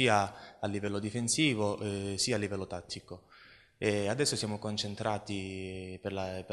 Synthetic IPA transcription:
iːaalːivɛlːod̪ifensiːvoʔsiːalːivɛlːot̪at̪ʰːiko | ead̪ɛsːosjaːmokont͡ʃent̪ɾʔaːt̪iperlap

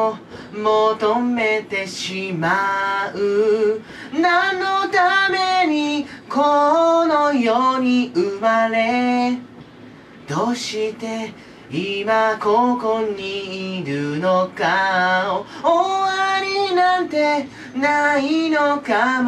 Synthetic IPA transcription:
mot̪ome̞t̪e̞ɕimaɯ | nãnːot̪ame̞ɲ̟ikʰonojoɲ̟iɯmaɾe | d̪̥oːɕit̪e̞ | imakokoɲ̟iːɾɯnokaooaɾʲinãnt̪e̞ | nainokam

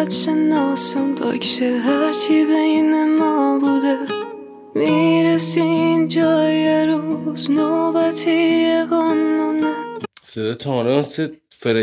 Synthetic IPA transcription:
t̪ʃenːɒːsunbɒ̰kʃeɦæɾt͡ʃʰibejinemɒːbud̪e | miːɾesiind͡ʒɒːjeɾuːznobæt̪ʰijeɡɔnːonesed̪ɒt̪ʰɔlesefeɾe

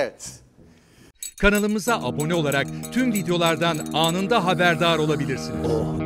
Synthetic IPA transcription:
ɛt̪ | kʰanalˠɯmɯzaʔabo̞nɛo̞lˠaɾak̚t̪ʰymvid̪ejo̞lˠaɾd̪anaːnɯnd̪aɦabæɾd̪aːɾo̞lˠabilʲiɾsiniz

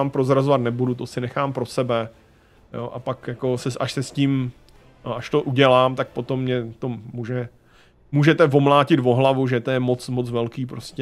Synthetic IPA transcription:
aːmpɾo̞zɾazovat̪nɛbudut̪osɪnɛxaːmpɾo̞sɛbɛ | jo̰ʔapakjako̞sɛsʔaʃsɛsciːm | ʔaʃt̪o̞ʔuɟɛlaːmt̪ak̚po̞t̪o̞mːɲɛt̪o̞muʒɛ | muːʒɛt̪ɛvo̞mlaːcɪt̪vo̞ɦlavuʒɛt̪ojɛmo̞t͡smo̞t͡svɛlkiːpɾoscɛ

